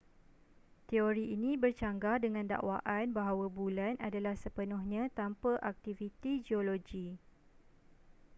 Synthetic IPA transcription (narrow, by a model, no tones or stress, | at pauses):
t̪eoɾiinĩbərt͡ʃaŋɡadəŋãnda̰ʔwaʔanbaɦawabulanʔadalahsəpənɔ̃hɲãt̪ampəʔak̚t̪ivit̪id͡ʒioloɡi